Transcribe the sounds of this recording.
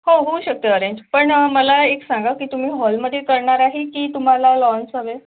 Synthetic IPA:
hoɦouɕək̚t̪əːɾeɲd͡ʑpəɳəməlaeksãŋɡakiːt̪um̤iːɦɔlməd̪ʱjekəɾɳaɾaɦekiːt̪um̤alalɔnsaʋe

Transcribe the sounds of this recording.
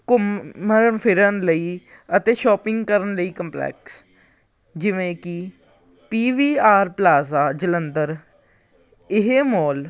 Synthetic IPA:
kʊməɾənpʰɪɾənləiː | ət̪eːʃɔːpɪ̃ŋɡkəɾənləiːkəmplɛ̰ːks | d͡ʒɪʋẽːkɪ | piːʋiːaːɾplaːzaːd͡ʒələnd̪əɾ | ɪɦeːmoːl

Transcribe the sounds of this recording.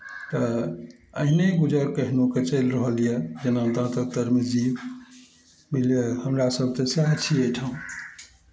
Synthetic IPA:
t̪ɔ | əɦineɡud͡ʒəɾkəɦnuket͡ʃəɪlɾəɦəlijed͡ʒenant̪ãt̪ət̪əɾmid͡ʒib | miljehəmɾasəb̚ʱt̪esaɦt͡ʃʰieʈʰaũ

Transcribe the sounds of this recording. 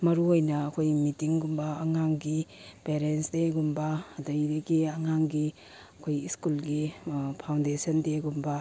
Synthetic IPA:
mɐɾuojnɐːkʰojmitiŋɡumbɐːŋaŋɡipeɾensdeɡumbɐːdɐjdeɡiɐŋaŋɡi | ɐkʰojiskulɡipʰawndesɐndeɡumbɐ

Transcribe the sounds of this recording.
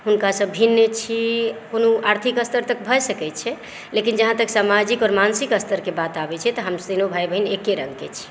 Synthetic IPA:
ɦunkasəbʱinːət͡ʃʰikonoaɾt̪ʰikəst̪əɾt̪ək̚bʱəsəkɛt̪t͡ʃʰɛ | lekind͡ʒəɦãt̪əksamad͡ʒikɔɾmansikəst̪ʰəɾkebat̪abɛt͡ʃʰɛt̪ɔɦəmsinobʱajbʱəɦinekːeɾə̰̃ŋɡket͡ʃʰi̥

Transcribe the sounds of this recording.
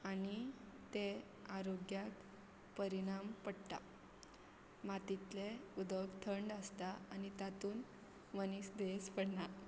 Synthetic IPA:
anit̪e | aɾoɡjak | pəɾiɽ̃ampəɽt̪a̰ | mat̪it̪leud̪əɡt̪ʰəɳɖəst̪aañit̪at̪uːn | mənisd̪espəɽɳa

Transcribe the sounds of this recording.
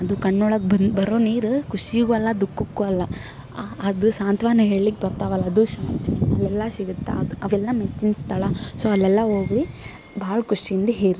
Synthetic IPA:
ɐd̪ukɐɳːɔɭɐk̚bɐnd̪bɐɾoːniːɾukuʂiɡuɐlːɐd̪ukːukːuɐlːɐ | ɐd̪usaːnt̪ʰʋaːnuɦe̞ːɭlik̚bɐɾt̪aːʋɐlːɐɐd̪uʃaːnt̪ʰiɐ̰lːɛlːɐsiɡut̪ːa̰ɐd̪uɐʋɛlːɐmet͡ʃːinst̪ʰɐɭɐsoːɐlːɛlːɐɦoːɡɾi | bʱaːɭɐkuʂiind̪eɦeːɾ

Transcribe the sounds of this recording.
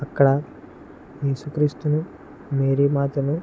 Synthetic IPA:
ɐkːɐɽɐ | je̞ːsukɾiːst̪unu | meːɾiːmaːt̪ɐnu

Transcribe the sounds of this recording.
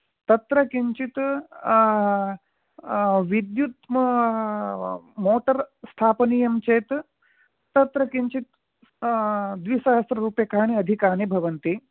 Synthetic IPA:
t̪ɐt̪ɾɐkiɲt͡ʃit̪ | ʋid̪jut̪m | moːʈɐɾst̪ʰaːpniːjɐmt͡ʃeːt̪ː | ɐt̪ɾɐkiɲt͡ʃit̪ | d̪ʋisɐɦɐst̪ɾɐɾuːpjɐkaːɳ̃iɐd̪ʱikaːɳ̃ibʱɐʋɐnt̪i

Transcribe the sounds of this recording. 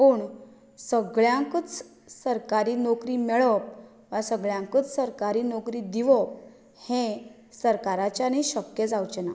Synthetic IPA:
puːɳ | səɡɭjãkət͡s | səɾkaɾiːnokɾiːmɛɭəp̚ | ʋasəɡɭjãŋkət͡ssəɾkaɾiːnokɾiːd̪iʋɔp̚ | hẽ | səɾkaɾat͡ɕjaniɕəkjəd͡zawt͡ɕena

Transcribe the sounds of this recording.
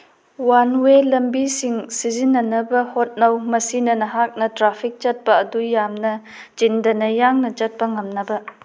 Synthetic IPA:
wanwelɐmbisiŋsizinːɐnɐbɐhot̚nɐwmɐsinɐnɐɦak̚nɐtɾapʰik̚t͡ʃɐt̚pɐːdujamnɐ | d͡ʒindɐnɐjaŋnɐt͡ʃɐt̚pɐŋɐmnɐbɐ

